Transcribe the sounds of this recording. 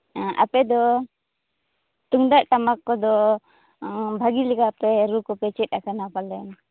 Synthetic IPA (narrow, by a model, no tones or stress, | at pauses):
ʔa̰pɛd̪ɔ | t̪uŋd̪aʔʈamakːɔd̪ɔ | bʱaɡilɛkapɛɾukɔpɛt͡ʃɛt̪̚ˀakanapalɛ̰na